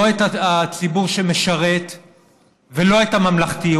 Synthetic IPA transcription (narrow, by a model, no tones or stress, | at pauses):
et̪aat͡sibuʁʃeme̞ʃaʁe̞t̪ | velo̞et̪amamlaχt̪i